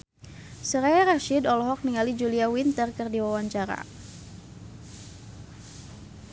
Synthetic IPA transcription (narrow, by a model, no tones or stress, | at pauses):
səɾaɾaʃidɔlɔɦɔk̚niŋalid͡ʒuliawint̪ərkɨrdiwawaɲt͡ʃaɾa̰